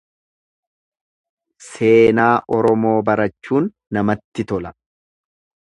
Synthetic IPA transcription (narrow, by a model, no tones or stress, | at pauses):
se̞ːnaːʔɔɾɔmo̞ːbɐɾɐt͡ʃːuːnːɐmɐt̪ːɪt̪ɔlɐ